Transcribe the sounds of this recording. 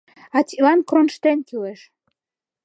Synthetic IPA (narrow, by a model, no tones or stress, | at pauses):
ɑt̪ʲilɑnkronʃt̪enkileʃ